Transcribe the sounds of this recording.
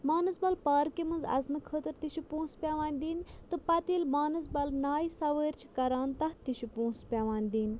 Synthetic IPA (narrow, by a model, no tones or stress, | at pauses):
maːnɨzbɐlpaːɾkimɨnzɐ̰znɨkʰəːt̪ɨɾt̪iʃʰipõːnspʲaʋaːnʲd̪iːnʲt̪ɨpɐt̪iːlmaːnɨzbɐlnaːjsɐʋəːɾʲt͡ʃʰi̥kɐɾaːnt̪ɐht̪iʃʰupõːnspʲaʋaːnʲd̪iːnʲ